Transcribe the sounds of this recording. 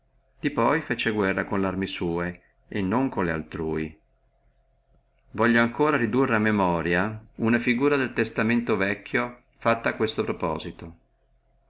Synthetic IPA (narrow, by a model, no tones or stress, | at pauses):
d̪̥ipɔjfet͡ʃeɡwɛrːakonlarmisuːe | enːoŋkonlea̰lt̪ɾuːi | vɔʎːoaŋkoːɾaɾid̪urːeamːemɔːɾjaunafiɡuːɾad̪elt̪est̪ament̪ovɛkʰːjo | fat̪ːaːkːwest̪opɾɔpɔ̰ːzit̪o